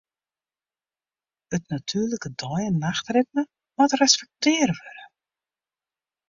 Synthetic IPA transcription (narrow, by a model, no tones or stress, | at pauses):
ətnatʰyːrləkədɔjənaxtrɪt̚nə | matrɛspɛk̚tɪːəɾəʋøɾə